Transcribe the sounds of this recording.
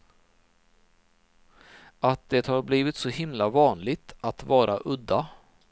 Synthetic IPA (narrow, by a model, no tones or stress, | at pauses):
ʔat̪̚d̪̥ɛt̪haɾbliːvɪt̪sɔhɪmlavɑːnlɪɡt̪ʰat̪vɑːɾaʔɵd̪ːa